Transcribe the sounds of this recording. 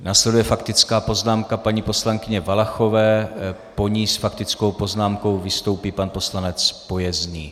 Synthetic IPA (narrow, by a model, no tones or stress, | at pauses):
naːslɛdujɛfakt̪ɪt͡skaːpo̞znaːmkapaɲipo̞slaŋkɪɲɛvalaxo̞vɛː | po̞ɲisfakt̪ɪt͡sko̞wpo̞znaːmko̞wvɪst̪o̞wpiːpanpo̞slanɛt͡spo̞jɛzɲiː